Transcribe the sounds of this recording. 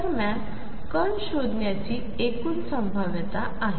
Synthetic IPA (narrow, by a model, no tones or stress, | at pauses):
əɾmjan | kəɳɕod̪ʱnjat͡ɕiː | ekuːnsəmbʱaʋjət̪a | aɦe